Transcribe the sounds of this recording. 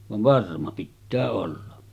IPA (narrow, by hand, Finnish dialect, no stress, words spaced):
ʋɑʋ ʋɑrmɑ pitːæː olːɑ